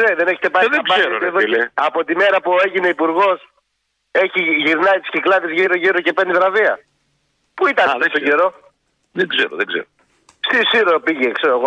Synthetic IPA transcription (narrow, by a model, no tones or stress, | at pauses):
neðene̞çet̪epɐðezɐeɾoeðoeɐpo̞t̪ime̞ɾɐpuoe̞ʝine̞ipuɾɣo̞s | e̞çiʝiɾnɐit̪i̥sciklɐðizʝiɾoʝiɾoce̞pend̪iðɾɐviɐ | puit̪ɐnesst̪oɟeɾo̞ | ðeɡzeɾo̰ðeɡzḛɾo | st̪isiɾopiʝekseɾoeɣo